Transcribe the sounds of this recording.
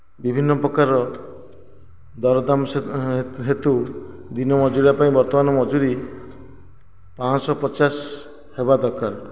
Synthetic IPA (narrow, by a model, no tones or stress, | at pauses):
bibʱinːɔpɾɔkaɾɔ | d̪ɔɾɔd̪am | ɦet̪u | d̪inɔmɔd͡ʒuɾiɾapaĩbɔɾt̪ɔmanɔmɔd͡ʒuɾi | pãsɔpɔt͡ʃas | hebad̪ɔɾkaɾ